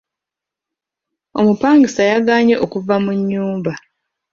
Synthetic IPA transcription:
o̞mupaːŋɡisajaɡaːɲe̞ʔokuvamuɲːuːmba

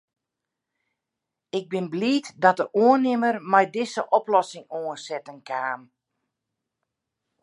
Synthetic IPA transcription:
ɪɡ̚bɪnbliːtdɔtəruənɪmərmɛjdɪsəʔɔplɔsɪŋoənsɛtəŋkaːm

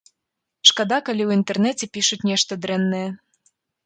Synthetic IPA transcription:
ʃkɑd̪ɑkalʲiuint̪ernɛtʲepʲiʃut̪ʲnʲeʃt̪əd̪ɾɛnːe

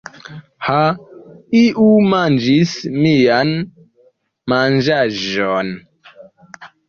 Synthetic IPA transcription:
ha | iʔumand͡ʒismijan | mand͡ʒaʒon

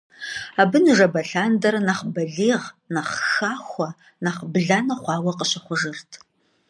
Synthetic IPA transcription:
aːbɨnɨʒɐbɐɬaːndɐɾɐnɐχbɐɮiːʁnɐχxaːxʷɐ | naχbɮaːnɐχʷɑːwɐqəɕɐχʷʊʒɨrtʰ

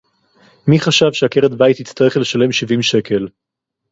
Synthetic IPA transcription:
miχaʃavʃeakeʁedbajit̪hit͡staʁeχleʃale̞mʃivimʃe̞kʰe̞l

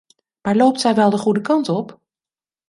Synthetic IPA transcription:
maːɹlowp̚tsɛjʋɛlˠdəχudəkɑntɔp

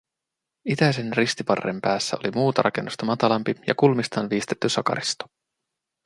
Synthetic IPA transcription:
it̪æjse̞nrist̪ipɑrːḛmpæːsːæo̞̰limuːt̪ɑɾɑ̰ke̞nːust̪ɑmɑt̪ɑlɑmpijɑ̰kulmist̪ɑːnʋiːst̪et̪ːysɑkɑ̰ɾist̪o̥

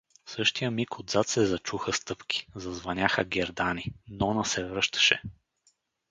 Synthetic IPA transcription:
sɤʃt̪ijəmikod̪zat̪sɛzɐt͡ʃuxəst̪ɤpki̥zɐzvɐnʲaxəɡʲɛɾd̪aninɔnɐsɛvɾɤʃt̪ə̥ʃɛ

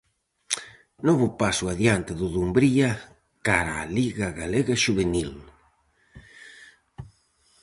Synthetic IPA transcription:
nɔβʊpasʊaðjant̪ɪðʊðumbɾia | kaɾaːliɣaɣaleɣaʃuβenil

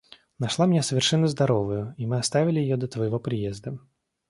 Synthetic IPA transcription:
nɐʂlˠamʲɪnʲasəvʲɪrʂɛnːəzd̪ɐɾovʊjʊimɨɐst̪avʲɪlʲɪjɪjod̪ət̪vəjɪvopɾʲɪjezd̪ə

